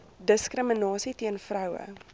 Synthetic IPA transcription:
dəskrəmənɑːsitiənfrœwə̰

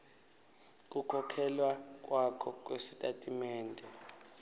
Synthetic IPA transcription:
k̬ʼukʰɔkʰɛlwak̬ʼwakʰɔk̬ʼwesi̥tʼatʼimɛːndʱɛ

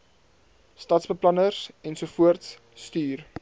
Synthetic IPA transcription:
stɐtsbəplɐnərsɛnsufuərtsː | tyːr

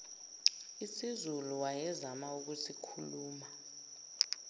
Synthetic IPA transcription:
isizuluwajɛzamauk̬usikʰuluːma

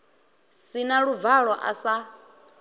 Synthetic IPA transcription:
sinaɺub̪vaɺɔʔa̰sa

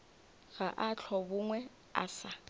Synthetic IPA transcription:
ɣaʔat͡ɬʰɔbʊŋwɛ | a̰ːsa

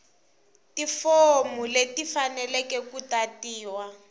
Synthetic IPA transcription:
tifomuletifanɛlɛkɛkutatiːwa

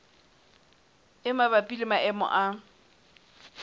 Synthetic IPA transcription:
ɪmabapʼilɪmaʔɛmɔ̰ʔa

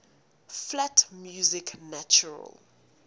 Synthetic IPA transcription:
flatʰmjuzikʰnat͡ʃuɹa̰l

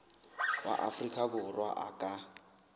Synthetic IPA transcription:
wa̰ʔa̰frikʼakʊrwa̰ʔakʼa

